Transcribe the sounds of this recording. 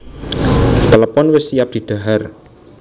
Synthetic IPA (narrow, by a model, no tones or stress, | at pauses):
t̪ələpɔnwɪsijap̚d̪̥i̤d̪̥a̤ɦar